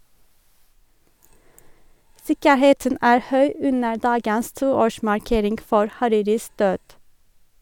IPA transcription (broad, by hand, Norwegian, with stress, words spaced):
ˈsɪkəˌheːtən ˈæːɹ ˈhœʏ ˈʉnə ˈdɑːɡəs ˈtuːˌoːʃmɑɹˌkeːɾɪŋɡ ˈfɔɹ hɑˈɾiːɾɪs ˈdøːd